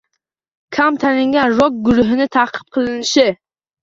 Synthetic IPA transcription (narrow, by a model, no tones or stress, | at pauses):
kʲʰamt̪ʰanɪŋɡʲanɾɔk̚ɡʊɾʊɦɪnɪt̪ʰaqʰɨ̥p̚qʰɨlˠɪnɪʃɪ